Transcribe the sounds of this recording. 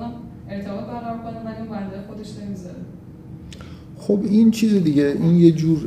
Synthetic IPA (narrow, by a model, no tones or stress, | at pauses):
nam | e̞ɾt̪ʰebɒːt̪̚bæɾɣæɾɔɾkonenæjovænd̪æjxo̞d̪e̞ʃne̞mizaɾe | xo̞bint͡ʃʰiːzed̪iɟeʔiːnje̞d͡ʒuːɾ